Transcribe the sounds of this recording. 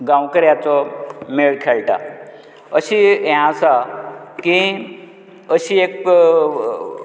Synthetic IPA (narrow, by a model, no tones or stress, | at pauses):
ɡãwkəɾjat͡sɔmeɭkʰeɭʈa̰ | əɕiɛ̃əsakĩ | əɕiek